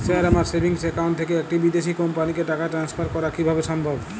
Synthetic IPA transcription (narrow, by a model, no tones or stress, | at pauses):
sɛɾamaɾsebʱiŋsekawnɳʈt̪ʰekeek̚ʈibid̪eʃikompanikeʈakaʈɾanspʰaɾkɔɾakibʱabeʃɔmbʱob